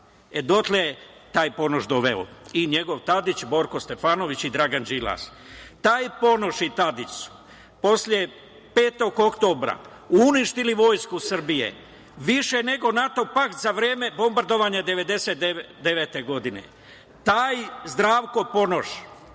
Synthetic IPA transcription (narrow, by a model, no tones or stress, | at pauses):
ed̪o̞t̪leet̪aːjpo̞noʃd̪oʋḛo̰iɲe̞ɡo̞ʋt̪ad̪it͡ɕbo̞ɾko̞st̪e̞faːno̞ʋit͡ɕid̪ɾaɡand͡ʒila̰s | t̪aːjpo̞no̞ʃit̪ad̪it͡ʃsu̥ | po̞slʲje̞ | peːt̪o̞ɡo̞kt̪o̞bɾa̰ | uuniʃt̪iliʋo̞ːjskusr̩bijḛ | ʋiʃene̞ɡo̞nat̪o̞pakt̪zaʋɾjeːme̞bo̞mbaɾd̪o̞ʋaɲad̪e̞ʋe̞d̪e̞set̪e | d̪eʋeːt̪e̞ɡo̞d̪inḛ | t̪aːjzd̪ɾaːʋko̞po̞no̞ʃ